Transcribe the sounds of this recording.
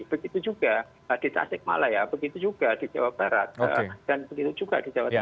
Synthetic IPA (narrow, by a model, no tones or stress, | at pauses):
b̥əɡit̪ud͡ʒuɡa | əd̥it̪a̰sɪk̚ma̰lajabəɡit̪ud͡ʒuɡ̥ad̥id͡ʒawab̚b̥aɾa̰t̪̚ə̰d̥anbəɡit̪ud͡ʒuɡa̰d̥id͡ʒawa